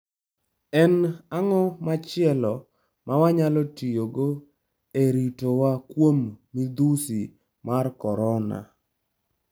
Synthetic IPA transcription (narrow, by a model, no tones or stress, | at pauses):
ɛnaŋɔmat͡ʃɪɛlɔ | mawaɲalɔtijoɡo | eɾitowakwomːid̪usi | markɔɾɔna̰